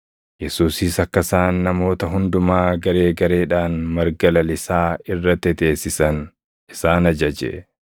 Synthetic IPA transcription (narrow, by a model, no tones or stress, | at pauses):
jɛsuːsiːsɐkːɐsaːnːɐmo̞ːt̪ɐɦʊnd̪ʊmaːɡɐɾe̞ːɡɐɾe̞ːᶑaːnmɐɾɡɐlɐlɪsaːɪrːɐt̪ːɛt̪e̞ːsːɪsɐn | ɪsaːnɐd͡ʒɐd͡ʒɛ̰